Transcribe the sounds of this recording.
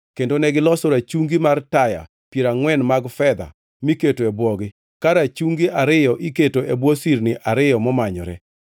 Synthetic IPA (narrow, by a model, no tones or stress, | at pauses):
kendonɛɡɪlɔsoɾat͡ʃuŋɡimartaja̰ | pjeɾaŋwɛnmaɡfɛd̪a̰ | miketoɛbwɔɡɪ | kaɾat͡ʃuŋɡiʔaɾɪjɔʔiketoebwɔsirnɪʔaɾɪjɔmɔmaɲɔ̰ɾɛ